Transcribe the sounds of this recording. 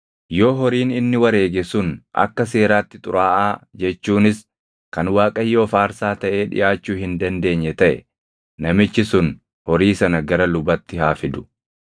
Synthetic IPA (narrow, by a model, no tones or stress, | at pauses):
jo̞ːɦɔɾiːnɪnːɪwɐɾe̞ːɡɛsʊnʔɐ̰kːɐs̬e̞ːɾaːt̪ːɪt̪ʼʊ̰ɾaːʔaːd͡ʒɛt͡ʃːuːnɪs | kɐnwaːkʼɐjːo̞ːfaːɾsaːt̪ɐʔe̞ːᶑɪ̰ʔaːt͡ʃːuːhɪnd̪ɐnd̪e̞ːɲːɛt̪ɐʔɛ̰ | nɐmɪt͡ʃːɪsʊn | hɔɾiːsɐnɐɡɐɾɐlʊbɐt̪ːɪhaːfɪd̪ʊ̥